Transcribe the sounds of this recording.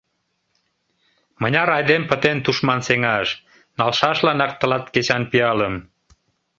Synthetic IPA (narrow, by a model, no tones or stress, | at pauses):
mənʲɑɾɑjd̪empət̪ent̪uʃmɑnseŋɑʃ | nɑlʃɑʃlɑnɑk̚t̪əlɑt̪ket͡ɕɑnpiɑləm